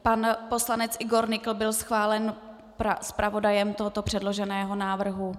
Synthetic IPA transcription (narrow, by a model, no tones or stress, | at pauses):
panpo̞slanɛt͡sʔɪɡo̞ɾnɪkl̩bɪlsxvaːlɛn | paspɾavo̞dajɛmt̪oɦot̪o̞pr̥ɛdlo̞ʒɛnɛːɦo̞naːvr̩ɦu